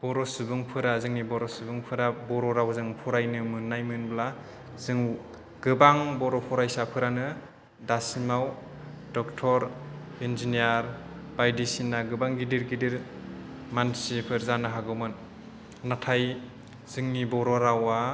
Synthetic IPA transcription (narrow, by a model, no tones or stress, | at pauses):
b̥ɔɾɔsɯbɯŋpʰɯɾazɯŋnibɔɾɔsɯbɯŋpʰɯɾabɔɾɔɾawzɯŋpʰɔɾajnɯmɯnːajmɯnbla | z̥ɯŋ | ɡɯbaŋbɔɾɔpʰɔɾajsapʰɯɾanɯ | dasimaw | dɔk̚tʰɔɾinzinijaɾbajdisinːaɡɯbaŋɡidiɾɡidiɾ | mansipʰɯɾzanɯɦaɡɯwmɯnː | atʰaj | z̥ɯŋnibɔɾɔɾawa